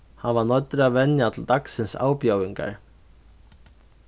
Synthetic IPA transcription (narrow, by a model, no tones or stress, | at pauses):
hanvanɔt̪ːɾʏaðvɛnjat̪ʰɪlt̪aksɪnsa̰ːwpjawiŋka̰ɾ̥